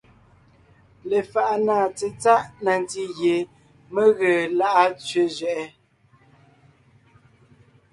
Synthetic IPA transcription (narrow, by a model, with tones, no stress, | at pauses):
le˨fa˨ʔa˦naː˦˨t͡se˨t͡sa˦ʔna˨n˨ti˦ɣje˨ | me˦ɣə˨la˦ʔa˦t͡sɥe˦zɥɛ˨ʔɛ˦